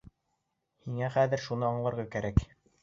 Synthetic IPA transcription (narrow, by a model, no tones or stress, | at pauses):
hiŋæχæðɘɾʃunɤɑɴlˠɤ̆ɾʁɑkæɾæk